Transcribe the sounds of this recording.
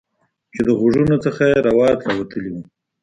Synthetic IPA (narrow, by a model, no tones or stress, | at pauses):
t͡ʃed̪əɣʊʐunot͡səxajeɾawɑt̪lawat̪əliwu